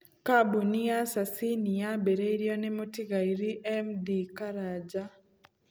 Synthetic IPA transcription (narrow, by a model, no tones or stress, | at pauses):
kabunijasasinijabeɾeiɾjonɛmotiɡaiɾiʔɛmdikaɾad͡ʒa